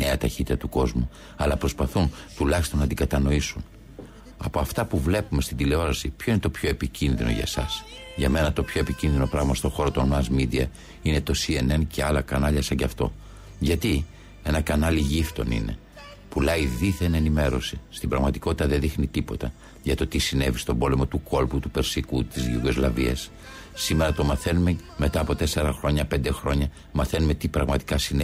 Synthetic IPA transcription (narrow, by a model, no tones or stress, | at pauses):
ne̞ɐt̪ɐçit̪it̪ɐt̪uko̞zmu | ɐlɐpɾo̞spɐθunt̪ulɐçi̥st̪o̞nɐd̪iɡɐt̪ɐno̞isun | ɐpo̞ɐft̪ɐpuvle̞pume̞st̪ind̪ile̞o̞ɾɐsipço̞ine̞t̪o̞pço̞epicinðino̰ʝɐ̰sɐs | ʝɐme̞nɐt̪o̞pço̞e̞picinðino̞pɾɐɣmɐst̪o̞xo̞ɾo̞t̪o̞nɐzmid̪iɐ̰ | ine̞t̪o̞sie̞ne̞nce̞ɐlɐkɐnɐʎɐsɐɲɟɐft̪o̞̰ | ʝɐt̪i | e̞nɐkɐnɐliʝift̪o̞̰nḭne̞̰ | pulɐiðiθene̞nime̞ɾo̞sist̪ibɾɐɣmɐt̪i̥ko̞t̪i̥t̪ɐðeðixnit̪ipo̞t̪ɐ | ʝɐt̪o̞t̪isine̞vist̪o̞bo̞le̞mo̞t̪uko̞lput̪upe̞ɾsikut̪izʝiɡo̞zlɐviɐ̰sː | ime̞ɾɐt̪o̞mɐθe̞nume̞me̞t̪ɐːpo̞t̪e̞se̞ɾɐxɾo̞ɲɐpe̞nd̪e̞xɾo̞ɲɐ | mɐθe̞nume̞t̪ipɾɐɣmɐt̪i̥kɐsine